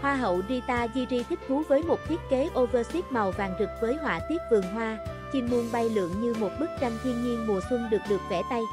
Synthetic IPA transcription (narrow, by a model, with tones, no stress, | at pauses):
hwaː˧ɦə̰˧˨wzi˧t̪aː˧zi˧zi˧t̪ʰï˦˥k̚t̪ʰu˨˦vəː˨˦jmo˨˩t̚t̪ʰi˦˥ət̚ke˨˦ʔo˧vəː˧si˦˥t̚ma˨˩wva̰ː˨˩ŋzɨ˨˩k̚vəː˨˦jɦwa̰ː˧˨t̪i˦˥ət̚vɨ˨˩əŋɦwaː˧t͡ɕi˧nmu˧ənɓa˧jlɨ̰˧˨əŋɲɨ˧mo˨˩t̚ɓɨ˦˥k̚t͡ɕa˧ŋt̪ʰwi˧ənɲi˧ənmu˨˩əsʊ˧ŋ͡mɗɨ˨˩ək̚ɗɨ˨˩ək̚vɛ̰˧˩t̪a˧j